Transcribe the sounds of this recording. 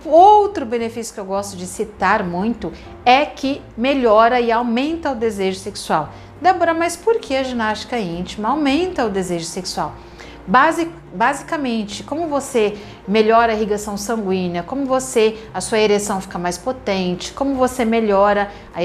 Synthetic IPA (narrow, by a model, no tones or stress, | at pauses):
owt̪ɾʊbẽnefisjʊ̥kɪewɡɔst̪ʊd͡ʒɪsit̪aɾmũj̃t̪ʊ | ɛkɪ | meʎɔɾɐɪawmẽnt̪ɐʊd̪ezeʒʊseksuaw | d̪abɔɾɐmajspoɾkʰeɐʒinast͡ʃi̥kɐĩt͡ʃimɐawmẽnt̪ɐʊd̪ezeʒʊseksuaw | bazik | bazikɐmẽnt͡ʃɪkõmʊvose | meʎɔɾɐhiɡasɐ̃w̃sɐ̃ŋɡwĩnɐkõmʊvoseɐsuɐeɾesɐ̃w̃fi̥kɐmajspot̪ẽnt͡ʃɪ̥kõmʊvosemeʎɔɾɐ | ɐ